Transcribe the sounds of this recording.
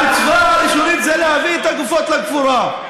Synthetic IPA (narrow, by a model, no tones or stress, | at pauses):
it͡svaaiʃuɾit̪zelehaviet̪aɡufot̪lakfuɾa